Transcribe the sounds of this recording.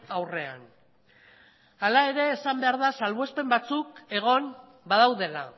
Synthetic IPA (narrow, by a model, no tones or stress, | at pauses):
awre̞a̰n | alae̞ɾe̞ːsambe̞aɾðasalβospe̞mbat͡suke̞ɣ̞o̞n | bað̞awðe̞la